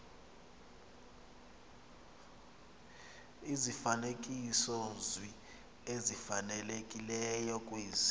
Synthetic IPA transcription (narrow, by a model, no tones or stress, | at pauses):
izifanek̬ʼisɔzi | ezifanɛlekʼilɛjɔkʼwiːz